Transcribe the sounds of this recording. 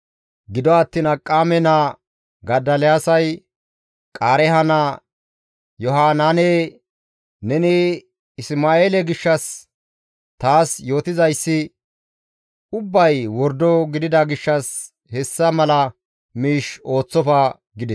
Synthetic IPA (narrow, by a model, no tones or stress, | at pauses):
ɡɪd̪ɔɐt̪ːiːnɐkʼːaːmɛnɐ | ɡɐd̪ɐlɛjaːsɐj | kʼaːɾɛhɐnɐ | jɔɦaːnaːneː | nɛnɪ | ɪsmaːeːlɛɡɪʃːɐs | t̪aːsjo̞ːt̪ɪzɐjsːɪ | ʊbːɐjwɔɾd̪ɔɡɪd̪ɪd̪ɐɡɪʃːɐs | hɛsːɐmɐlɐ | miːʃo̞ːt͡sːɔfɐ | ɡɪd̪ɛs